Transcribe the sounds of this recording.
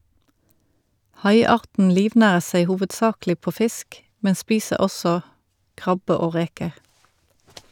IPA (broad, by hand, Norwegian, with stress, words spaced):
ˈhɑɪˌɑːʁtn̩ ˈliːʋˌnæːʁəʁ ˈseɪ ˌhuːʋədˈsɑːklɪ ˈpoː ˈfɪsk ˈmɛn ˈspiːsəʁ ˈɔsɔ ˈkʁɑbə ˈoː ˈʁeːkəʁ